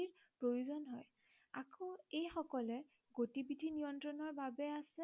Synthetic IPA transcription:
iɹ | pɹojuzɔnɦɔj | akoejxɔkɔlɛ | ɡotibidʱinijɔntɹɔnɔɹbabɛasɛ

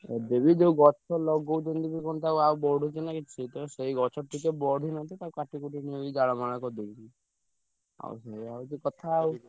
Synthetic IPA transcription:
ḛd̪ebid͡ʒeuɡɔt͡ʃʰɔlɔɡɔwd͡ʒɔnd̪ibikɔnt̪awawbɔɽʱut͡ʃʰinakieit̪ɔseiɡɔt͡ʃʰɔʈʰikebɔɽʱinat̪it̪aukaʈikuʈinieid͡ʒaɭɔmaɽ̃akɔd̪ebii | a̰ṵseɦiawd͡ʒekɔt̪ʰaːw

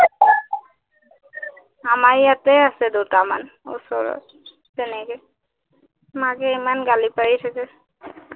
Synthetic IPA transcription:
amaɹjat̪easɛd̪utama̰nṵsɔɹɔ̰ | t̪ɛnɛke | makeɛmanɡalipaɹit̪ʰakɛ

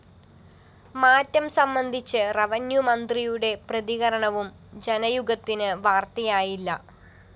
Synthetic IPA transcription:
maːtːɐmsɐmbɐnd̪ʱit͡ɕːɨrɐʋɐnjumɐnd̪rijuɽe̞prɐðiɣɐɾɐɳɐʋum | d͡ʑenɐjuɡɐt̪ːinɨʋaːrt̪ɐjaːjilːɐ̰

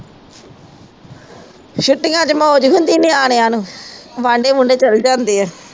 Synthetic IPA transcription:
ʃʊʈːɪŋɡãːt͡ʃəmɔod͡ʒɦʊnd̪iːnẽːaːɳ̃ejãːnũːʋãːɳɖeːmʊ̃ɳɖeːt͡ʃəld͡ʒãːnd̪eːɦɛː

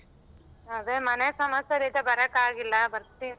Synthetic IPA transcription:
ɐd̪emɐnesɐmɐsɐɾid̪ɐbɐɾɐkaːɡilːɐbɐɾt̪i

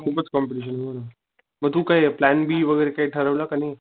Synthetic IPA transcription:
kʰuːpət͡skɔmpiʈiɕ̬ənməɾu | məɡ̚t̪uːkajeplænbiːʋəɡəjɾekaiʈʰəɾəʋlakani

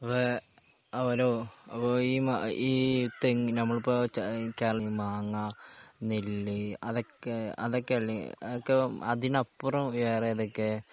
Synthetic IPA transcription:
ɐpːo | ɐʋɐɾoːɐpːoiːma̰iːt̪ːeŋnɐmːɐɭupːoːt͡ɕkeːɐmaːŋːanilːiɐðokːeɐðokːeɐɭːḭɐokːeɐd̪inɐpːurɐmʋeːrejɐðokːe

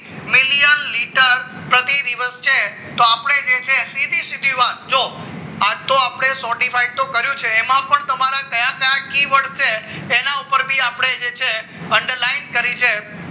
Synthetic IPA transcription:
mɪlijənliʈəɾ | pɾət̪id̪iʋəst͡ʃʰe | t̪oapəɽ̃ed͡ʒet͡ʃʰesid̪isɪd̪ʱiʋat̪̚d͡ʒoat̪oapɽ̃esɔɾʈifajɖ̚t̪õkəɾjũt͡ʃʰeːmãpəɳt̪əmaɾakəjãkəjãkiʋəɽt͡ʃʰeːnaupəɾbʱiapɽ̃ed͡ʒet͡ʃʰe | əɳɖəɾlainkəɾit͡ʃʰe

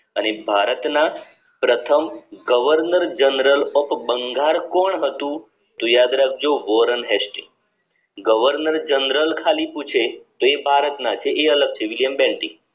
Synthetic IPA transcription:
ənebʱaɾət̪na | pɾət̪ʰəmɡəʋəɾnəɾd͡ʒənɾəlɔpbəŋɡaɾkɔɳɦət̪ũ | t̪ojad̪ɾak̚ʰd͡ʒoʋɔɾənɦɛsʈḭ | ɡəʋəɾnəɾd͡ʒənɾəlkʰaliput͡ʃʰet̪oebʱaɾət̪nat͡ʃʰeʔːələɡ̚t͡ʃʰeʋiljəmbɛ̃ɳʈi

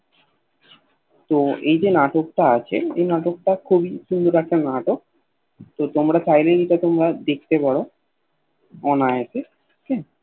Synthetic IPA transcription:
t̪oejd͡ʑenaʈokʈaat͡ɕʰḛḛjnaʈok̚ʈakʰubiʃund̪ʱoɾakʰennaʈok̚ | t̪ot̪omɾat͡ɕajleɡiʈat̪omɾad̪ek̚t̪epaɽo | ɔnaet͡ɕʰe | kɛ

